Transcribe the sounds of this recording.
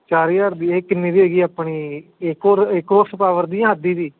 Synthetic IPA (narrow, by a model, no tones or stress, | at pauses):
t͡ʃaːɾijaːɾd̪iːeːkɪnːiːd̪ieːɡiːaːpɳ̃iːɪkoːɾɪkɾoːɾsəpaːʋəɾd̪ijãːɦəd̪iːd̪iː